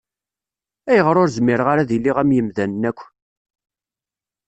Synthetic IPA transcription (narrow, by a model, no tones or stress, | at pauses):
æjəʁɾʊɾzmɪɾʁaɾaðilːiʁæmjəmðænnækʷː